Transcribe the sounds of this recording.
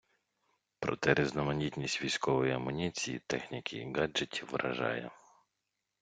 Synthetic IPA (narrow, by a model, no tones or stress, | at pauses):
pɾɔ̰t̪ɛɾeznɔmɐnʲit̪ʲnʲisʲtʲʋʲijsʲkɔʋɔjiɐmʊnʲit͡sʲijḭt̪ɛxnʲikʲʰiɡad͡ʒetʲʰiwʋɾɐ̰ʒɑ̰jɛ̰